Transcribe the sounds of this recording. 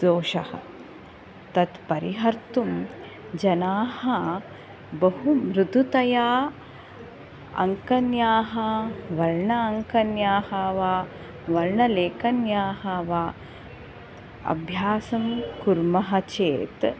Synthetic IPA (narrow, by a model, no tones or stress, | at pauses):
d͡zoːʃɐhɐ̰ | t̪ɐt̪pɐɾiɦɐɾt̪um | d͡ʒɐnaːhɐ | bɐɦumɾud̪ʱut̪ɐjaː | ɐ̰ŋkɐnjaːɦɐʋɐɾɳɐːŋkɐnjaːhɐʋaː | ʋɐɾɳɐleːkɐnjaːɦɐʋaː | ɐ̰bʱjaːsɐmkuɾmɐɦɐt͡ʃeːt̪